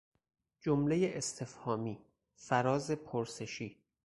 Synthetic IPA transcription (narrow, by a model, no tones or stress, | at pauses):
d͡ʒomle̞jeʔest̪ʰe̞fhɒːmiː | fæɾɒːze̞pʰoɾse̞ʃiː